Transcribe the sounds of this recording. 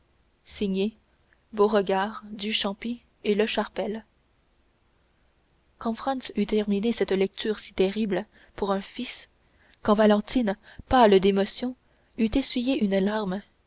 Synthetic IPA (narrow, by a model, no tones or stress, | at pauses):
siɲe | boʁəɡaːʁd̪yʃɑ̃pi | eləʃaʁpɛl | kɑ̃fχɑ̃nsyt̪ɛʁminesɛt̪lɛk̚t̪ʰyːʁsi̥t̪ɛʁibl | puʁœ̃fis | kɑ̃valɑ̃t̪ʰinpald̪emɔsjɔ̃ | yt̪esɥijeʔynlaʁm